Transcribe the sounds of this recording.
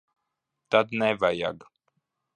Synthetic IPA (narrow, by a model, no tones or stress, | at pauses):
t̪ad̪nɛvaja̰ɡ